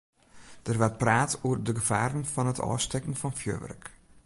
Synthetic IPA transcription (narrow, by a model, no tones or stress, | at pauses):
d̥ərʋɛr̚praːtʰoərdəɡəv̥aːɾənfɑnətʰɔ̰ːstɛkn̩fɑnfjø̰ːʋɛ̰rk